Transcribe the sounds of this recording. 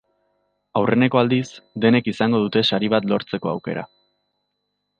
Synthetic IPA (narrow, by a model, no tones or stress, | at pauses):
awre̞ne̞ko̞ald̪isd̪e̞ne̞kisaŋɡo̞ðut̪e̞ʃaɾiβ̞at̪lo̞ɾt͡se̞ko̞a̰wke̞̰ɾa̰